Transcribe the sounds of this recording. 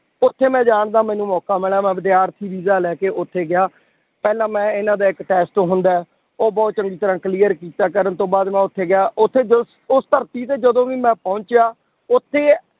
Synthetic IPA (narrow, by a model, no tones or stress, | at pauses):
ʊt̪ʰːeːmɛ̃ːd͡ʒaːɳd̪aːmɛ̃ːnũːmɔːkaːmɪlaːmɛ̃ːʋəd̪ɪjaːɾt̪ʰiːʋiːzaːlɛːkeːʔʊt̪ʰːeːɡɪjaː | pɛːlãːmɛ̃ːɪnãːd̪aːɪkʈɛːsʈoɦʊnd̪aːɛ | oːbɔːt̪̚t͡ʃəŋɡiːt̪əɾãːkliːəɾkiːt̪aːkəɾənt̪õːbaːd̪mɛ̃ːʊt̪ʰːeːɡɪjaːʔʊt̪ʰːeːd͡ʒs | ʊst̪əɾt̪iːt̪eːd͡ʒəd̪õːʋiːmɛ̃ːpɔ̃ʊɲt͡ʃjaː | ʊt̪ʰːeː